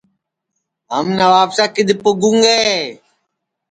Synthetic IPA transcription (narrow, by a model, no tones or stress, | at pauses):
ɦəmnəʋaːpsaːkɪd̪ʱɪpʊɡũŋɡeː